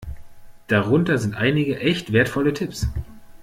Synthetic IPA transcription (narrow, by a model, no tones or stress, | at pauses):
d̥aʁʊntɐzɪntʔaɪnɪɡəʔɛçtv̥eːɐtfɔlətʰɪps